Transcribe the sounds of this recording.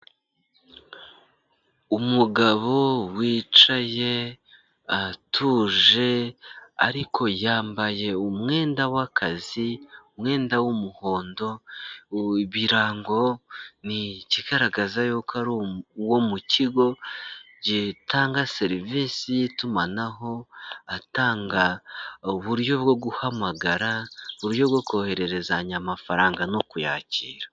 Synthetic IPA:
umuɡaβo̞wiːt͡ʃaje̞ | atʰuːʒe̞a̰ɾikʰo̞jaːmbaje̞umŋe̞ːndawakʰaziumŋe̞ːndawumuho̞ːndo̞ | iβiɾaːŋɡo̞niciɡaɾaɡazajokʰaɾowomuciɡo̞ | ɟitaːŋɡase̞ɾivisijitumanaɦo̞ataːŋɡauβuɾjo̞bɡo̞ɡuhamaɡaɾaβuɾjo̞βɡo̞ko̞he̞ɾe̞ɾe̞zaɲamafaɾaːŋɡanokuja̰ːciːɾa

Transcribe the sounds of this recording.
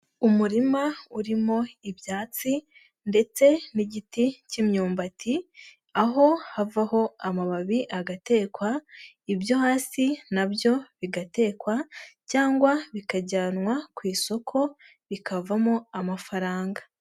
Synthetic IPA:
umuɾimauɾimo̞ibjaːt͡si | nde̞t͡se̞niɟiticimɲuːmbatʰi | aɦo̞havaho̞amaβaβiʔaɡate̞ːkwa | ibjo̞haːsinabjo̞βiɡate̞ːkwacaːŋɡwaβikaɟaːnwakwiːso̞kʰo̞ | βikavamoamafaɾaːŋɡa

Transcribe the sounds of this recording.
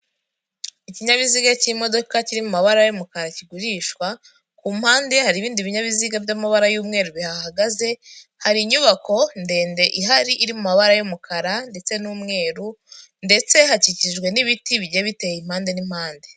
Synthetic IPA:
iciɲaβiziɡaciɾimo̞do̞kaciɾimumaβaɾajomukaɾaciɡuɾiːʃkwa | kuːm̥haːnde̞haɾiːβiːndiβiɲaβiziɡavɟamaβaɾajuːmŋe̞ːɾuβihahaɡaze̞haɾiɲuβako̞nde̞ːnde̞ʔiɦaɾiʔiɾimumaβaɾajomukʰaɾande̞t͡se̞nuːmŋe̞ːɾu | nde̞t͡se̞ɦaciciʒɡwe̞niβitiβiɟeβitejim̥haːnde̞nim̥haːnde̞

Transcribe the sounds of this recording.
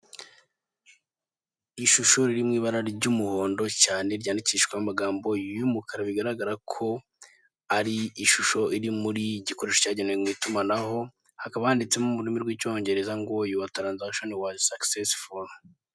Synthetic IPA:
iʃuʃoɾiɾimŋiːβaɾaɾɟumuhoːndo̞caːne̞ɾɟaːndiciʃkwamamaɡaːmbo̞jumukʰaɾaβiɡaɾaɡaɾakʰo̞ | aɾiːʃuʃo̞iɾimuɾiɟiko̞ɾeʃo̥caːɟenemŋiːtumanaɦo̞ | hakaβahandit͡se̞mumuɾimiɾɡwico̞ːɲɟe̞ɾe̞zaŋɡojuwatɾanzakʃo̞nwasaksesful

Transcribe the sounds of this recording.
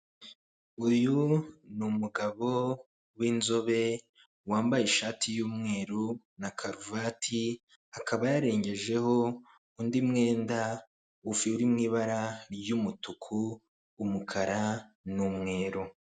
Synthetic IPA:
ujunumuɡaβo̞ | winzo̞βe̞ | waːmbajiʃaːtʰijuːmŋe̞ːɾu | nakʰaɾuvatʰi | akʰaβajaɾe̞ːɲɟe̞ʒe̞ho̞ | undimŋe̞ːnda | ufiuɾimŋiːβaɾaɾjumutukʰuː | mukʰaɾanumŋe̞ːɾu

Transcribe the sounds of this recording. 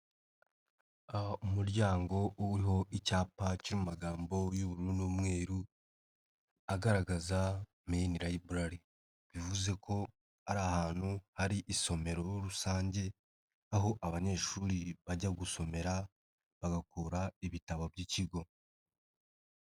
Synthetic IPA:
aumuɾɟaːŋɡo̞uwiɦo̞ʔicaːpaciɾimumaɡaːmbo̞juβuɾuɾunuːmŋe̞ːɾu | aɡaɾaɡaza | miiniɾajiβuɾaɾi | βivuze̞kʰo̞ | aɾaːhaːn̥huhaɾiʔiso̞me̞ɾo̞ɾusaːɲɟe̞ | aɦo̞ʔaβaɲe̞ːʃuɾiβaɟaɡuso̞me̞ɾa | βaɡakuɾaiβitaβo̞bɟiciɡo̞

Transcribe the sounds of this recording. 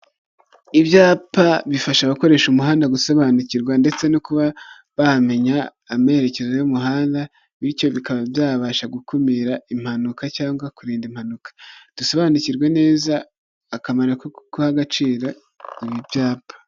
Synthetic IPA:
ibjaːpaβifaʃaβako̞ɾe̞ːʃumuɦaːndaɡuso̞βaniciɾɡwande̞t͡se̞nokuβa | βame̞ɲaːme̞ɾe̞ce̞zo̞jumuɦaːnda | βiɾco̞βikaβabjaːβaʃaɡukumiɾaim̥hanukacaːŋɡwakuɾiːndim̥hanukḁd̥uso̞βaniciɾɡwe̞ne̞ːzaː | kamaɾakokuhaɡat͡ʃiːɾa | iβibjaːpʰḁ

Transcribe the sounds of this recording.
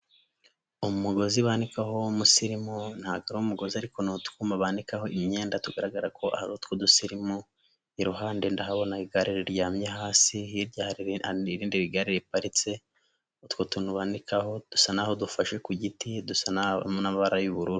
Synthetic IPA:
omumuɡo̞ziβaːnikaɦo̞musiɾimon̥haɡaɾoumuɡo̞ziaɾiko̞notkuːmaβanikaɦo̞imɲe̞ːndatuɡaɾaɡaɾakʰo̞ʔa̰haot̪kodusiɾimu | iɾuɦaːndendaɦaβo̞naiɡaɾiɾiɾɟaːmɲeɦaːsihiɾɟahaɾiɾiːndiβiɡaɾiɾipaɾit͡se̞ | utkwotuːnhuβaːndikaho̞d̥usanaho̞dufaʃe̞kuɟitidusanaβa̰monaβaɾajuβuɾuɾu

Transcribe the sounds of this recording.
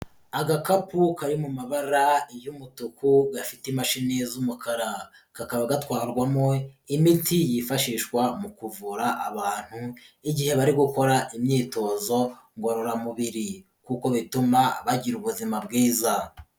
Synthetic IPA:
aɡakapukaɾimumaβaɾaejumutukuɡafitimaʃinezumukʰaɾa | kakaβaɡatwaːɾɡwamŋoimitijifaʃiːʃkwamukuvuɾaʔaβaːn̥huiɟihe̞βaɾiɡuko̞ɾaʔimɲiːto̞ːzo̞ | ŋɡoɾoɾamuβiɾi | kuko̞βitumaβaɟiɾuβuzimabɡiːza

